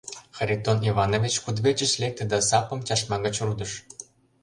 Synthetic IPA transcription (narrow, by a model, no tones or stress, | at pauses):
xəɾʲit̪oniβɑnovʲit͡ɕkud̪βet͡ɕə̆t͡ɕlek̚t̪ĕd̪ɑsɑpɤ̆mt͡ɕɑʃmɑɣə̆t͡ɕrud̪əʃ